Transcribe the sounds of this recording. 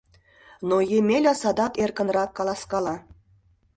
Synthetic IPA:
nojemʲelʲɑsɑd̪ɑkerkə̆nrɑkːɑlˠɑskɑlˠɑ

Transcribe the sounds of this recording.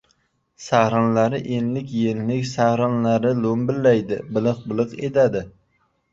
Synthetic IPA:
sahɾɑnlaɾɪʔenlɪkʲjenlɪkʲsahɾɑnlaɾɪlombɪlːajd̪ɪbɪlˠɨq̚bɪlˠɨqed̪ad̪ɪ

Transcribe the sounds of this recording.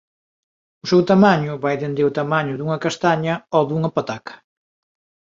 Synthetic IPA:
ʊsɛwt̪amaɲʊβajðend̪ewt̪amaɲʊðuŋɐkast̪aɲɐɔðuŋɐpat̪akɐ̥

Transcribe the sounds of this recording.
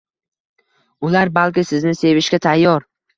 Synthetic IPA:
ʊlaɾbalˠkʲɪsɪznɪse̞vɪʃkʲat̪ʰajːɒɾ

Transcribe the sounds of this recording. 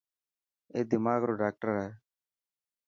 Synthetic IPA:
eːd̪ɪmaːɡɾoːɖaːk̚ʈəɾɛː

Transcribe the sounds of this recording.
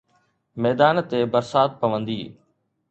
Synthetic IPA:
mɛːd̪aːnt̪ebɐɾsaːt̪̚pɐʋə̃nd̪ḭː

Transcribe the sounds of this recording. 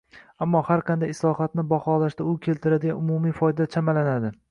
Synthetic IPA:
amːɒhaɾqʰɑnd̪ajɪslˠɒhat̪nɪbɒχɒlaʃt̪aʊkʲʰe̞lt̪ʰɪɾad̪ɪɡʲanʊmumijfɒjd̪at͡ʃʰamalanad̪ɪ

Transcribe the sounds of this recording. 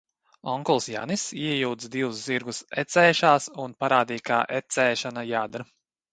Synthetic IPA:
ɔŋkɔlˠsja̰nisiɛjuwd̪zd̪iwusziɾɡusɛt̪sɛːʃaːsunpaɾaːd̪iːjka̰ːʔɛt̪sɛːʃanajaːd̪ɾ

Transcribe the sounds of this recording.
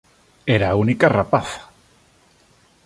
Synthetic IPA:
eɾaːunikarapaθḁ

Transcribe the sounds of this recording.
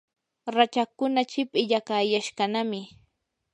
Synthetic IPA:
ɾat͡ʃakʊnat͡ʃɪpʼɪʎakajaʃkanamɪ

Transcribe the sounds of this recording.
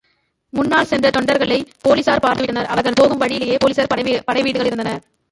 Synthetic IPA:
mʊnːaːɭsɛndrɐt̪ɔɳɖɐɾɣɐɭɐɪpoːliɪsaːɾpaːɾt̪ɯʋɪʈːɐnɐɾɐʋɐɾɣɐɭpoːɣɯmʋɐɻɪjɪlɐjeːpoːlisɐɾpɐɽɐɪʋiːɽɯɣɐɭɪɾɯnd̪ɐnɐɾ

